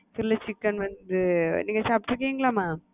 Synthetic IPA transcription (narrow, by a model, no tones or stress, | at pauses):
sɪlːɐt͡ʃɪkːɐnʋɐnd̪ɯniːŋɡɐsaːp̚ʈːɾɯkːeːŋɡɐlaːmaː